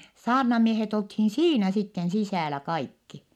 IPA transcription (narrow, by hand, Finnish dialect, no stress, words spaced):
sɑːrnɑmiehet olthin siːnæ sitːen sisæˑlæ kɑikːi